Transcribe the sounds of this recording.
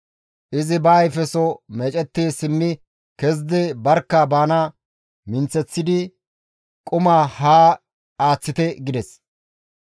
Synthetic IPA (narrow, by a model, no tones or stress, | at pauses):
ʔɪzɪbaːjfɛsɔmeːt͡ʃʼɛt̪ːeːsɪmːɪ | kɛzd̪ɛbɐɾkːɐbaːnɐ | mɪnt͡sːɛt͡sːɪd̪ɪ | kʼʊmaːhaː | aːt͡sːɪt̪ɛɡɪd̪ɛs